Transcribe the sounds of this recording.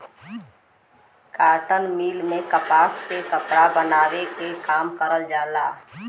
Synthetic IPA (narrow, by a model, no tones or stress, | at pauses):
kaːʈənmiːlmẽkəpaːspekəpɽabənaːwekekaːmkəɾəld͡ʒaːlaː